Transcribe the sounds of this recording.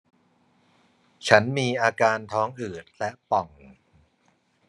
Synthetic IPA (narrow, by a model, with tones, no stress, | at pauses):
t͡ɕʰa˦˥nmiː˧ʔaː˧kaː˧nt̪ʰɔː˦˥ŋʔɯː˨˩t̪̚lɛ˦˥ʔpɔ˨˩ŋ